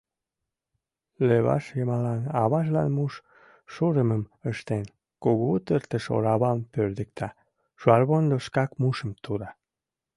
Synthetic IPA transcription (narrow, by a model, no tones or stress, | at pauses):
leβɑ̰ʃjəmɑlɑnɑβɑʃ̬lɑ̰nmuʃ | ʃuɾəməməʃt̪en | koɣot̪əɾt̪əʃo̰ɾɑβɑmpøɾd̪ək̚t̪ʰɑ | ʃuɑrβond̪oʃkɑkmuʃəmt̪ʰuɾɑ